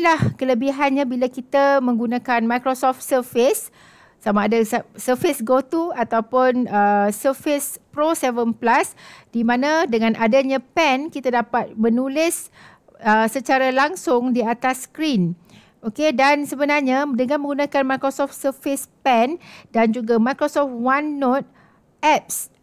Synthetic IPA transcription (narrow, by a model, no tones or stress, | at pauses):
lahkələbiɦanɲãbilakit̪amə̃ŋɡunãkanmajkɾosɔft̪̚səfɪs | samaːdassəfɪsɡot̪uat̪awpʊnəsəfɪspɾosɛvənplasd̥imãnãdəŋãnʔadaɲãpɛnkit̪adapat̪̚mə̃nũlɪs | əsət͡ʃaɾalaŋsʊŋdiat̪askɾin | okedansəbənarɲadəŋãnmə̃ŋɡunãkanmajkɾosɔft̪səfɪspɛndand͡ʒuɡamajkɾosɔft̪̚wanːot̪̚ | ʔɛp̚s